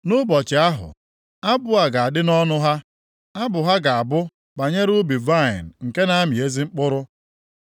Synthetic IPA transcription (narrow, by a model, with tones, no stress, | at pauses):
nʊ˦bɔ˨t͡ʃɪ˨a˦ɦʊ̰˨ | a˦bʊ˦a˨ɡa˨a˨dɪ˦nɔ˦nʊ˦ɦa˦ | a˦bʊ˨ɦa˦ɡa˨a˨bʊ˦ | ba˨ɲe˦ɾu˦bi˨va˦˨ɪ̰˨n̩˨ŋ̩˨ke˦na˦a˦mi˨e˦zi˦ŋ͡m̩˦k͡pʊ˦ɾʊ˦